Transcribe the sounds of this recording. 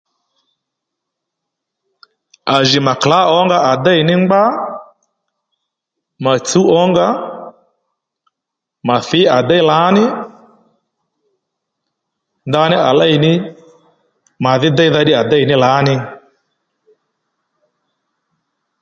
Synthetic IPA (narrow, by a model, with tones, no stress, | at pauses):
a˨ʒɪ˨ma˨kla˦ɔ˦ŋɡa˦ʔa˨da˦i˨nɪ˦ŋ͡mɡ͡ba˦ | ma˨t͡su˦ɔ˨˦ŋɡa˦ | ma˨θɪ˨˦a˨da˦i˦la˨˦nɪ˦ | nda˧˦nɪ˦a˨la˦˨i˨nɪ˦ | ma˨ðɪ˦da˦i˦ða˧˦ɗɪ˦a˨da˦i˨nɪ˦la˨˦nɪ˦